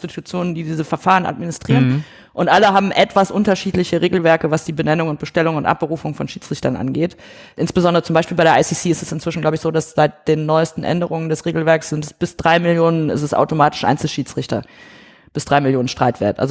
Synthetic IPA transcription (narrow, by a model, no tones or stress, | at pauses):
stitʰut͡sjoːnəndiːdiːzəfɛɐfaːʁənʔa̰tminɪstʁ̥iːʁən | ʔʊntʔaləɦaːbm̩ʔɛtv̥asʔʊntɐʃiːtlɪçəʁeːɡl̩vɛɐkəvasd̥iːbənɛnʊŋʊnt̚b̥əʃtɛlʊŋʊntʔa̰p̚b̥əʁuːfʊŋfɔnʃiːt͡sʁ̥ɪçtɐnʔa̰nɡeːt | ʔɪnsb̥əzɔndəʁət͡sʊmbaɪʃpiːlbaɪɾeɐʔaɪsisiːɪstɛ̥sɪntv̥ɪʃn̩ɡlaʊbɪçz̥oːdasz̥aɪt̚d̥eːnːɔʏəstn̩ʔɛ̰ndəʁʊŋəndɛsʁeːɡl̩vɛɐksz̥ɪntɛsb̥ɪsd̥ʁaɪmɪljoːnənɪ̰stɛsʔa̰ʊtomaːtɪ̥ʃʔa̰ɪnsl̩ʃiːt͡sʁ̥ɪçtɐ̰ | b̥ɪsd̥ʁaɪmɪljoːnən̩ʃtʁ̥aɪtv̥ḛːɐtʔa̰lzo